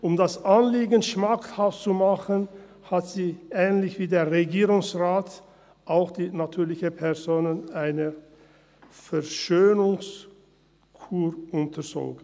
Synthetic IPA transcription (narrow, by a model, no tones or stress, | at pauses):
ʔʊmdasʔanliːɡənʃmakhaftt͡sumaχən | hatz̥iːʔɛːnlɪçv̥iːdeːɐʁeɡiːʁʊŋsʁaːt | ʔaʊxd̥iːnatʰyːɐlɪçəpʰɛʁzoːnənʔaɪnə | fɛɐʃøːnʊŋs | kʰuːʁʔʊntʰəzo̰ːɡən